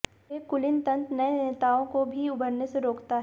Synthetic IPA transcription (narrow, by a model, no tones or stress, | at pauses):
ekʊlɪnt̪ɐ̃nt̪nɐeneːt̪aːõkobʱiʊbʱəɾneseɾoːkt̪aɦ